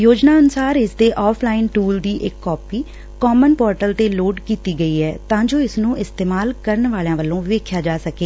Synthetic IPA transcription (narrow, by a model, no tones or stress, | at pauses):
joːd͡ʒnaːənʊsaːɾɪsd̪eːʔɔːpʰlaːɪnʈuːld̪iːʔɪkːɔːpiː | kɔːmənpɔːɾʈəlt̪eːloːɖkiːt̪iːɡəiːɦɛːt̪ãːd͡ʒoːɪsnũːʔɪst̪eːmaːlkəɾəɳʋaːljãːʋəlõːʋeːkʰjaːd͡ʒaːsəkeː